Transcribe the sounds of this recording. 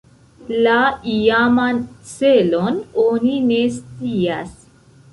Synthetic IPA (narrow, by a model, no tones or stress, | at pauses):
laijamant͡selononinest͡sias